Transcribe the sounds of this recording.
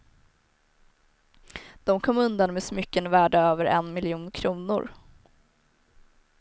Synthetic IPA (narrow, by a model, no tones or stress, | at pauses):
d̪̥ɔmkʰɔmːɵnd̪anmeːsmʏkːənvæːɖaøːvəɾʔɛnmɪljuːnkʰɾuːnʊ̰ɾ